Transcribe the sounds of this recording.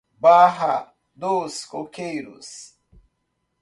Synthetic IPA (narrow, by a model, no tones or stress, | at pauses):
baːɦa | d̪oːskokejɾṵs